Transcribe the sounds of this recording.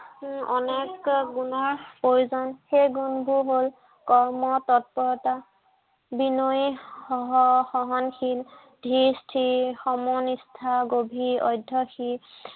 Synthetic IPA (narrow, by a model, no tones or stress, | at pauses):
ɔnekɡunaɹpojuzɔnxejɡunbʱuɦol | kɔɹmɔtɔt̚pɔɹɔta | binojɔɦɔxɔɦɔnxil | dʱistʰixɔmɔnistʰaɡobʱiɔ̰jdʱɔxi